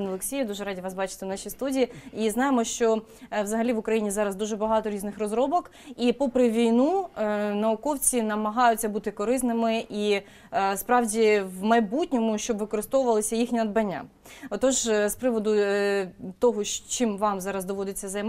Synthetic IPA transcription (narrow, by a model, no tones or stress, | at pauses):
nɔlˠeksʲijɛd̪uʒɛɾɑdʲiʋɑsbɑt͡ʃɪ̥t̪ɪnɑʃijst̪udʲijiiznɑjemɔʃt͡ʃɔ | ʋzɐɦɐlʲiʋʊkɾɐjinʲizɑɾɐzd̪uʒɛbɐɦɑt̪ɔɾʲiznɪxɾɔzɾɔbɔk | ipɔpɾɪʋʲijnunɐʊkɔwt͡sʲinɐmɐɦɑjʊt͡sʲːɐbut̪ɪkɔɾɪsnɪmɪʔi | spɾɑwdʲiwmɐjbutʲnʲɔmʊʃt͡ʃɔbʋɪkɔɾɪst̪ɔʋʊʋɐlˠɪsʲɐjixnʲinɐd̪bɐnʲːa̰ | ɔt̪ɔʒspɾɪʋɔd̪ʊ | t̪ɔɦɔt͡ʃɪmʋɑmzɑɾɐzd̪ɔʋɔd̪et͡sʲːɐzɐjm